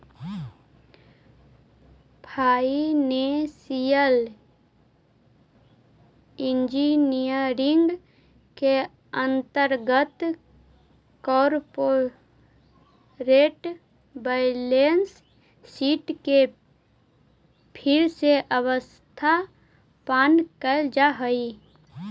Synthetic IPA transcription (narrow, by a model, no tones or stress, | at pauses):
pʰaːinesijəl | ɪ̃nd͡ʒinijəɾɪŋɡ | ke | ə̃nt̪əɾɡət̪ | kɔːɾpo | ɾeːʈ | bəɪlensː | iːʈke | pʰɪɾseʔəwəs | t̪ʰa | paːnkəld͡ʒaɦəi